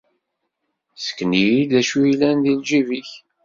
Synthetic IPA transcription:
sə̥kːnijid̪æʃujlænðild͡ʒiviç

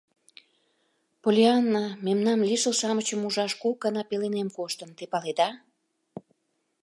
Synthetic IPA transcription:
polʲeanːamemnɑmlʲiʃəlsɑmət͡ɕəmuʒɑʃkukːɑnɑpelenemkoʃt̪ənt̪epɑled̪ɑ

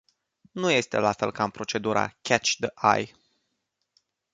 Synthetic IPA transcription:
nuje̞st̪e̞̰lafe̞lkampɾo̞t͡ʃe̞d̪uɾʔa̰kʲʰæt͡ʃd̪əʔa̰j

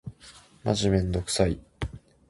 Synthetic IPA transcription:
ma̰ʑimẽ̞nd̪o̞kɯ̟̥sai

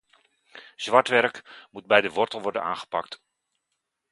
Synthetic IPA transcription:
z̥ʋɑɹtʋɛɹkmud̚bɛjdəʋɔɹtəl̩ˠʋɔɹdə̰na̰ːnχə̥pɑkt

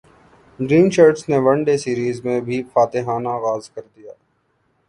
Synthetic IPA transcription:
ɖɾĩːnt͡ʃəɾʈsneʋɐɳɖesiːɾiːzmẽbʱifaːt̪eɦaːnaɣaːzkɐɾd̪ijaː

